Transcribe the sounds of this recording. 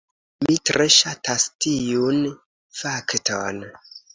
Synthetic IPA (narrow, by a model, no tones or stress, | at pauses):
mitɾe̞ʃatastijun | fakton